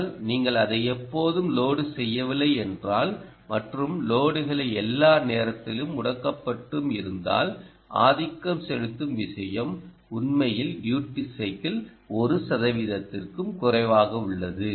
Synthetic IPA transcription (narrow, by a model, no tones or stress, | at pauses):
lniːŋɡɐɭɐðɐɪɛpːoːðɯmloːɽɯsɛjːɐʋɪlːɐɪɛndraːl | mɐʈrɯmloːɽɯɣɐɭɐɪɛlːaːneːɾɐt̪ːɪlɯmʊɽɐkːɐpːɐʈːɯmɪɾɯnd̪a̰ːl | ʔa̰ːðɪkːɐmsɛɻɯt̪ːɯmʋɪʂɐjɐm | ʊnmɐjɪlɖjuːʈːɪsɐɪkɐl | ɔɾɯsɐðɐʋɪðɐt̪ːɪrkɯmkʊrɐɪʋaːɣɐʊɭːɐðɯ